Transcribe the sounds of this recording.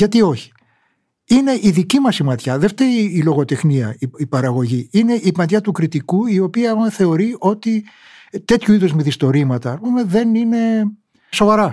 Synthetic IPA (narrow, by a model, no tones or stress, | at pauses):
ʝɐt̪io̞çi̥ | ine̞ʔiðicimɐsimɐt̪çɐðe̞ft̪e̞ɾiːlo̞ɣo̞t̪e̞xniɐiipɐɾɐɣo̞ʝiine̞ʔipɐnt̪çɐt̪ukɾit̪ikuio̞piɐumeθe̞o̞ɾio̞t̪i | t̪e̞t̪çuiðozmiθist̪o̞ɾimɐt̪ɐːspume̞ðe̞nine̞ | so̞vɐɾɐ